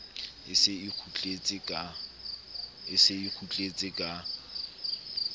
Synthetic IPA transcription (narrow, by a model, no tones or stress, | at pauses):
ɪsɪɪk͡xʰut͡ɬʼet͡sʼɪkʼa | ɪsɪik͡xʰut͡ɬʼet͡sʼɪkʼa